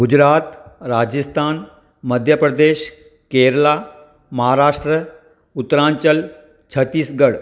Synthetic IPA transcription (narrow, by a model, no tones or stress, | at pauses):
ɡʊd͡ʑɾaːt̪ɾaːd͡ʒɪst̪ʰaːn | mɐd̪ʱjəpɾəd̪eːʃ | keːɾlaː | mɐɦaːɾaːʂʈɾə | ʊt̪ːɾãːɲt͡ʃəl | t͡ʃʰɐt̪ːiːsɡɐɽ